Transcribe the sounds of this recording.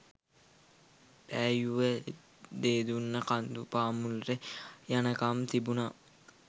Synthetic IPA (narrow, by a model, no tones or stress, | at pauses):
pæːjuʋə | d̪eːd̪unːəkand̪upaːmulrejanəkamt̪ibuna